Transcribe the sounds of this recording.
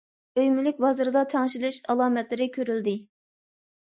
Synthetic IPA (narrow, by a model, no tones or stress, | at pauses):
øjmylɪk̚ʲbɑzɨɾɨd̪ɑt̪ʰɛŋʃilɪʃɑlˠɑːmɛt̪lɪɾɪkʲʰøɾyld̪ɪ